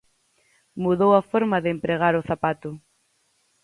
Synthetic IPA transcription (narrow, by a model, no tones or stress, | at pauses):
muðowafoɾmaðeːmpɾeɣ̞aɾoθapat̪ʊ